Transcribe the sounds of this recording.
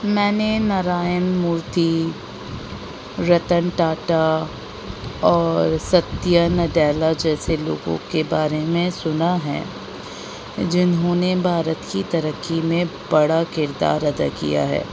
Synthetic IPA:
mɛ̃ːnenaɾaːjənmuːɾt̪i | ɾɐt̪ənʈaːʈa | ɔːɾsɐt̪jənɖɛːlad͡ʒɛːselo̰ːɡõ̰kebaːɾemẽsʊnaɦɛ̰ː | d͡ʒɪnɦõnebʱaːɾət̪kit̪ɐɾəkːimẽbɐɽakɪɾd̪a̰ːɾɐd̪ə̰kḭja̰ɦɛ̰ː

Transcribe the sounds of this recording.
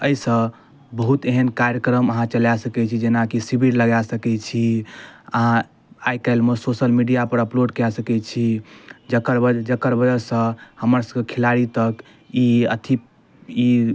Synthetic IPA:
əjsə̃ | bəɦut̪eɦənkaɾjəkɾəməɦãt͡ʃəljasəkɛt͡ʃʰid͡ʒenakisibʱiɾləɡasəkɛt͡ʃʰiə̰ɦã | ajkaɪlmesosəlmiɖijapəɾəploɖkjasəkɛt͡ʃʰid͡ʒəkəɾəd͡ʒəkəɾbəd͡ʒəsə̃həməɾsəɡkʰilaɽit̪ək | iə̰t̪ʰi | i

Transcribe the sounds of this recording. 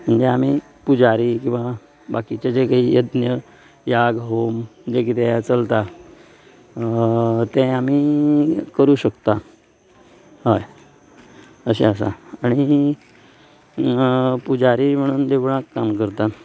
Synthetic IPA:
m̤əɳd͡zeam̤iː | pud͡zaɾiːkĩw̃ʋa | bakit͡ɕad͡ʑekaɦijəd̪njə | jaɡɦomd͡ʑekit̪ejat͡səlt̪a | t̪ɛ̃amiːkəɾuːɕəkt̪a | ɦɔj | əɕeəsa̰aɽ̃i | pud͡zaɾiːm̤əɽ̃uːnd̪eʋɳakːamkəɾt̪a

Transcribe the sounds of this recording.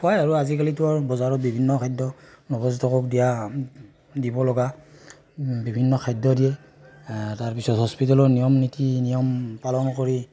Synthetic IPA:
hɔjaɹuazik̬alituɔɹbɔzaɹɔt̚bibʱinːɔkʰajdɔnɔbɔztʰɔkɔkdija | dibɔlɔɡa | bibʱinːɔkʰajdɔdijɛ | taɹpisɔtɦɔspitalɔnijɔmnitinijɔmpalɔnɔkɔɹi

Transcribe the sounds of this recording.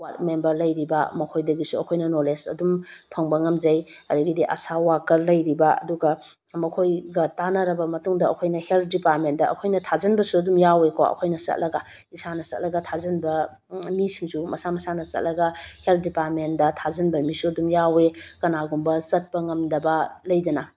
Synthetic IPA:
wat̚membɐɾlɐjɾibɐ̰mɐkʰojdɐɡisuɐkʰojnɐnolesɐ̰dumpʰɐŋbɐŋɐmzɐj | ɐduɡidiʔɐ̰sawakɐɾlɐjɾibɐɐ̰duɡɐ | mɐkʰojɡɐtanɐɾɐbɐmɐtuŋdɐɐkʰojnɐhelt̚ʰdipat̚mendɐɐ̰kʰojnɐtʰazɐnbɐsuɐdumjawekoɐ̰kʰojnɐsɐ̰t̚lʔɐɡɐ | isanɐsɐ̰t̚lɐɡɐtʰazɐnbɐ | misiŋsumɐsamɐsanɐsɐ̰t̚lɐɡɐhelt̚ʰdipat̚men̚dɐtʰazɐnbɐmisuɐdumjawekɐnaɡumbɐsɐt̚pɐŋɐmdɐbɐlɐjdɐnɐ

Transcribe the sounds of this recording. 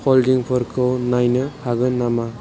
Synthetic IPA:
pʰɔldiŋpʰɔɾkʰɯwnajnɯhaɡɯnama

